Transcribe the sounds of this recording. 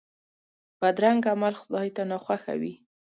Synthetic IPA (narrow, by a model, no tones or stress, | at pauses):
b̥ad̪ɾaŋɡamalxʊd̪ɑit̪anɑxwaxa̰wḭ